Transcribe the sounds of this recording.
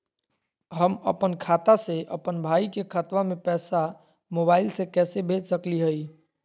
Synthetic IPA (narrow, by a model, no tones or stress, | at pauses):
ɦəmə̰pənkʰat̪aseʔə̰pənbʱaːikekʰət̪wamẽpɛːsa | mobailsekɛːsebʱed͡ʒsəkliɦəi